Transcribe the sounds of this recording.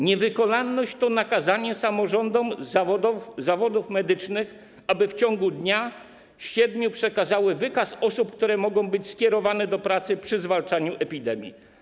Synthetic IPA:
ɲɛvɘkɔnalnɔɕt͡ɕt̪ɔnakazaɲɛsamɔʐɔnd̪ɔmzavɔd̪ɔfzavɔd̪ufmɛd̪ɘt͡ʂnɘx | abɘft͡ɕɔŋɡud̪ɲa | ɕɛd̪ɲupʂɛkazawɘvɘkasɔsup̚kt̪uɾɛmɔɡɔ̃w̃bɘt͡ɕskʲɛɾɔvanɛd̪ɔpɾat̪sɘpʂɘzvalt͡ʂaɲuʔɛpʲid̪ɛmʲjḭ

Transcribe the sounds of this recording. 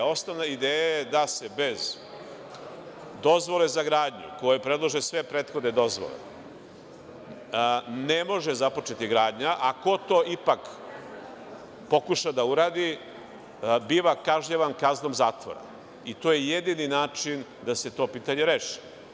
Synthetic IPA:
o̞snoʋnaid̪eːjajed̪ase̞be̞z | d̪o̞zʋo̞le̞zaɡɾaːd̪ɲṵko̞jepɾe̞d̪lˠoʒesʋe̞pɾet̪xod̪ned̪o̞zʋo̰lḛ | ne̞mo̞ʒezapo̞t͡ʃe̞t̪iɡɾaːd̪ɲaʔako̞t̪o̞ːʔipak | po̞kuʃad̪auɾaːd̪i | biːʋakaʒɲeʋankazno̞mzaːt̪ʋo̰ɾa̰ | it̪oje̞je̞d̪ininaːt͡ʃind̪ase̞t̪o̞piːt̪aɲe̞ɾeːʃi̥

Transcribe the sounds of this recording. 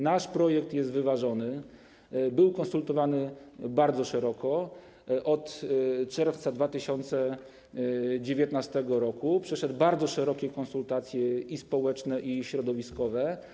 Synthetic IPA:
naʂpɾɔjɛk̚t̪jɛst̪vɘvaʐɔnɘ | bɘwkɔnsult̪ɔvanɘbaɾd̪zɔʂɛɾɔkʰɔ | ʔɔt̪t͡ʂɛɾft̪sad̪vat̪ɘɕɔnt̪sɛ | d͡ʑevʲjɛt̪nast̪ɛɡɔɾɔkupʂɛʂɛd̪baɾd̪zɔʂɛɾɔkʲɛkɔnsult̪at̪sʲjɛispɔwɛt͡ʂnɛʔiɕɾɔd̪ɔvʲiskɔvɛ

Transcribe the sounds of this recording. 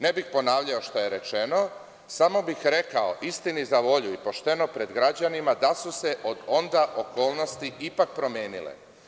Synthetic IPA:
nebixpo̞naːʋʎaoʃt̪oje̞ɾe̞t͡ʃe̞no̞ | samo̞bixɾe̞kaoʔist̪inizaʋo̞ʎuipo̞ʃt̪e̞no̞pɾe̞d̪ɡɾad͡ʑanimad̪asuse̞ʔod̪o̞nd̪aʔoko̞ːlˠno̞st̪iʔipak̚pɾo̞mjeːnilḛ

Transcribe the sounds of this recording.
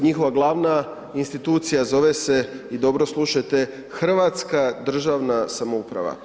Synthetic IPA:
ɲixo̞ʋaɡlˠaːʋna | inst̪it̪uːt̪sijazo̞ʋeseid̪o̞bɾoslˠuʃat̪e | xr̩ʋat̪skad̪r̩ʒaʋnasamoupɾa̰ʋa̰

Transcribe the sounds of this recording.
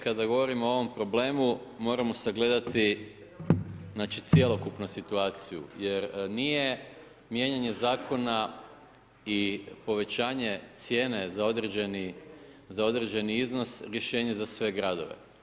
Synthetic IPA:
kad̪aɡo̞ʋo̞ɾimoo̞ʋo̞mpɾo̞ble̞ːmumo̞ːɾamo̞seɡle̞d̪at̪ʰi | znat͡ʃit̪sje̞lo̞kupnusit̪uaːt̪sijṵje̞ɾnije̞ | mje̞ɲaɲe̞zaːko̞na | ipo̞ʋe̞t͡ɕaːɲe̞t̪sje̞ːne̞zao̞d̪ɾed͡ʑenizao̞d̪ɾe̞d͡ʑe̞niizno̞sɾje̞ʃe̞ːɲe̞zasʋe̞ɡɾad̪oʋḛ

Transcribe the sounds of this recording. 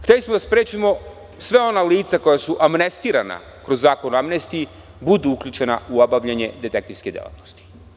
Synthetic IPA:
xt̪elismod̪aspɾeːt͡ʃimo̞ | sʋeo̞naliːt̪sako̞jasuʔamnest̪iːɾana̰ | kɾozːaːko̞noamnest̪ii | bud̪uukʎʲut͡ʃe̞na̰uobaʋʎaɲe̞d̪e̞t̪e̞kt̪iɾsked̪jelˠa̰t̪nost̪i̥

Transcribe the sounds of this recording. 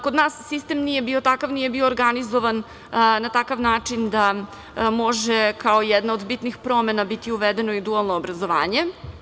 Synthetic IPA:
ko̞d̪naːsːist̪emnije̞bio̞t̪akaʋnije̞bio̞ːɾɡanizoʋan | nat̪akaʋnaːt͡ʂind̪a | mo̞ʒekaojɛd̪naod̪bit̪nixpɾomenabit̪iuʋed̪e̞noid̪ualˠnoːbɾazo̞ʋa̰ːɲe

